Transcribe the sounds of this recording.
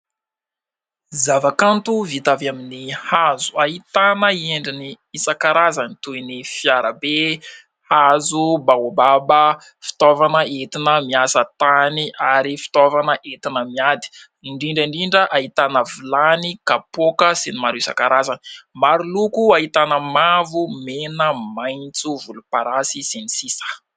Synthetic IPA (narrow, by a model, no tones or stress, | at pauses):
zavakant̪uvit̪avaminihazu̥aɦit̪anəieɳɖ͡ʐini | isakaɾazanit̪uinifjaɾəbe | hazubaobabə | fi̥t̪ɔvanəet̪inəmiasət̪aniʔaɾifi̥t̪ovanəʔet̪inəmiad̪i̥ | iɳɖ͡ʐiɳɖ͡ʐiɳɖ͡ʐiɳɖ͡ʐəʔaɦit̪anəvilanikapokəsinimaɾuisa̰kaɾazani̥maɾulukuaɦit̪anəmavumenəmajnt͡suvulupaɾasisenisisə̥